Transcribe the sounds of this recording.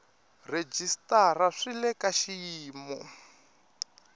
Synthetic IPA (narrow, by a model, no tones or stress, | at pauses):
red͡ʒistaraʂilɛkaʃijiːmɔ